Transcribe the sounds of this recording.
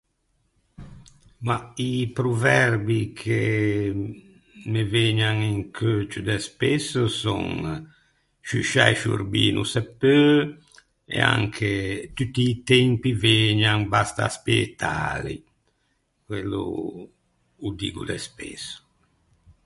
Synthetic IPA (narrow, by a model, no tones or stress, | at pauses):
maipɾuvɛɾbikʰe | meveɲaŋiŋkʰøːt͡ʃud̪ɛspɛsusɔ̰ŋ | ʃyʃa̰jʃṵrbḭːnʔusɛpːø | ḛa̰ŋkʰet̪yt̪ːiːt̪ɛmpiveɲaŋbast̪aspeet̪ʰa̰ːlḭ | kwelːṵ | ud̪iːɡṵd̪ɛspḛsu̥